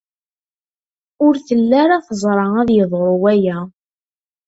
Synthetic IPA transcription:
ʊɾθəlːaɾaθəzˤɾˤɑæðjəðˤɾʊwæjæ

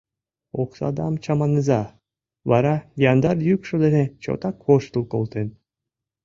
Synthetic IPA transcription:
oqsɑ̰d̪ɑ̰mt͡ɕɑmɑnːɨzɑ | βɑɾɑjɑnd̪ɑɾjykʃod̪enet͡ɕo̰t̪ɑkʰːoʃt̪ɨlˠkolˠt̪en

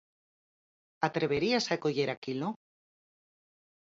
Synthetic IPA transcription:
at̪ɾe̞β̞eɾiasaekoʝe̞ɾakilo

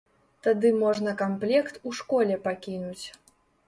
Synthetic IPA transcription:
t̪ad̪ɨmɔʐnɐkamplʲɛkt̪uʂkɔlʲɛpakʲinut͡sʲ

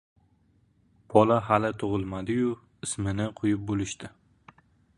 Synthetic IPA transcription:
b̥ʰɒlaɦalɪt̪ʰʊʁɨlˠmad̪ɪjʊ | ɪsmɪnɪqʰojɪp̚bolɪʃt̪ɪ

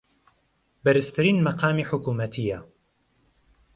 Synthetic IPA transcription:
bɐɾɨst̪ʰɨɾiːnmɐqɑːmiːħʊkuːmɐt̪ʰija

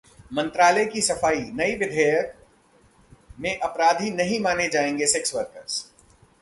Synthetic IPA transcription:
mɐ̃nt̪ɾaːləjkisɐfaːinɐiʋɪd̪ʱeːjək | mẽʔɐpɾaːd̪ʱinɐɦĩmaːned͡ʒaːẽːŋɡesɛksʋəɾkəɾs

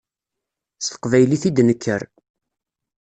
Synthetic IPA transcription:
st̪ə̥qvæjliθid̪nəkʰːəɾ

